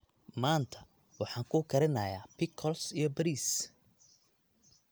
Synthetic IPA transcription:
maːnt̪ʰɐ | wɑħɑːŋkʰʊːkʰɐɾɪnɐːjaːpʰɪkʰːɔlsijɞbɐɾiːs

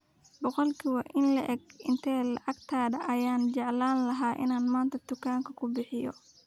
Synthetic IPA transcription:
bɔqɔlkʰɪwɐʔɪnlɐʔɛɡɪnt̪ʰɛːlɑ̰ʕɑɡt̪ʰaːdɐʔɐjaːnt͡ʃɛʕlaːnlɐɦaːʔɪ̰naːnmaːnt̪ʰɐd̪ʊkʰaːŋkʰɐkʰʊbɪħɪjɔ̰

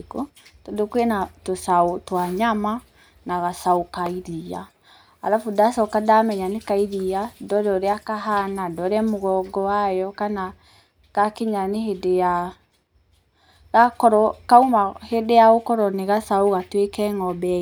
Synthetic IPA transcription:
kotodokwenatosaotwaɲama | naɣasaokaiɾia | aɾafudasɔkadamɛɲanekaiɾiadɔdɔɾeakaɦanadɔɾɛmoɣɔɡɔwajɔkana | ɣ̥akeɲaneɦedeja | ɾakɔɾɔkaumahedejaɣokɔɾɔneɣasaoɣatwekɛŋɔbɛ

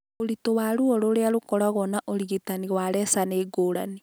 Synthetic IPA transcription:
oɾitowaɾuoɾoɾealokɔɾaɣɔnaʔoɾiɣitaniɣwaɾɛsaneɡoːɾa̰ni

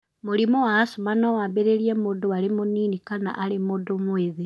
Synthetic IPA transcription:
moɾimɔwaːsomanɔwaːmbeɾeɾiɛmoːdowaɾemoniːnikana̰ʔaɾemoːdomweðe

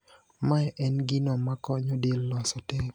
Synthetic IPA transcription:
maɛʔɛnɡɪnɔmakɔɲɔdelːɔsɔte

